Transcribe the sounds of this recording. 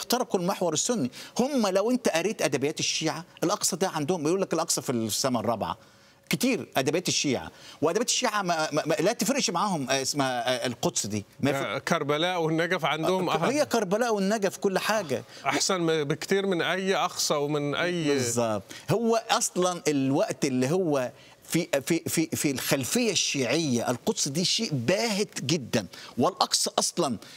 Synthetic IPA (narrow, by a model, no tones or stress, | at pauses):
xt̪ɑɾˤɑkulmeħwɑɾˤesːʊnːihʊmːælæwʔent̪æʔæɾiːt̪ʔæd̪æbejæːt̪eʃːiːʕaʔelʔɑqsˤɑd̪æʕand̪ʊhʊmbejʔuːlːækelʔɑqsˤɑfili̥sːæmærˤːɑbʕa̰ | kt̪iːɾʔæd̪æbejæːt̪eʃːiːʕa̰weʔæd̪æbjæːt̪e̥ʃːiːʕamælæt̪efɾeʔʃmaʕaːhʊmesmæelqot̪sˤd̪iːmækɑɾˤbælæːʔwenːæɡæfʕand̪ʊhʊmʔhejːækɑɾˤbælæːʔwenːæɡæfkolːħaːɡæ̰ʔaħsænbekt̪iːɾmɪnʔæjːʔɑxsˤɑwemɪnʔæjːbezˤːɑb̚t̪ˤhowːæʔɑsˤlɑnelwæʔt̪ʔelːiɦowːæ | fifififilxælfɪjːæʃːiːʕɪjːæʔɪlqot̪ˤsˤd̪iːʃeːʔbæːhet̪ɡɪd̪ːænwelʔɑksˤɑʔɑsˤlɑn